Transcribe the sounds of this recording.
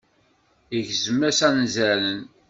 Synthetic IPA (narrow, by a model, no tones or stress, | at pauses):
iʝzəmːæsænzælən